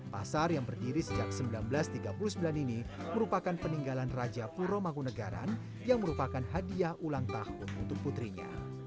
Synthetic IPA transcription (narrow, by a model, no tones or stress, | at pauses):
pa̰sarjaŋbərdiɾisəd͡ʒaksəmbilanbəlast̪iɡapulusəmbilaniniməɾupakanpəniŋɡalanrad͡ʒapuɾomakunəɡa̰ɾa̰n | jaŋməɾupakanɦadiahʔulaŋt̪ahʊnṵnt̪ʊk̚put̪ɾiɲa̰